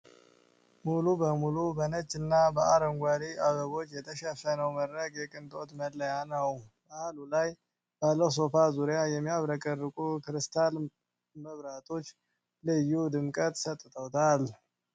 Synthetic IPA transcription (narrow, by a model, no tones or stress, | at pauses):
mulubəmulubənət͡ʃʼːɨnːabəaɾəŋɡʷaɾiaβəβo̞t͡ʃːjɛt̪ʰəʃəfənəwməɾɾəɡjɛkʼɨnt̪ʼo̞t̪məlːəjanəwbahalulaj | balːəws̬o̞fazuɾjajɛmːijaβɾəkʼərːɨkʼukɨɾɨst̪ʰal | məβɾat̪ʰo̞t͡ʃː | lɨjːud̪ɨmkʼət̪ʼsət̪ʼːɨt̪ʰʼəwt̪ʰal